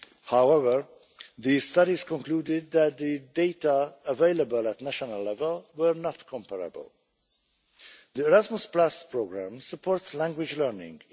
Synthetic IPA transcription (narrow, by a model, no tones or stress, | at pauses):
haʊɛvə˞ | ðiz̥stʌɾiz̥kɔ̃nkluːdɪd̪̚ðæt̪̚ðɨdeɪtəəveɪləbəlˠətnæʃənəlːɛvəlˠwə˞nətkʰɔ̃mpəɹə̰bə̰lˠ | ðiɛɹæzməsplaspʰɹoɡɹæ̃msəpʰɔːɹtslæ̃ŋɡwɪd͡ʒlɜ˞nɪ̰̃ŋ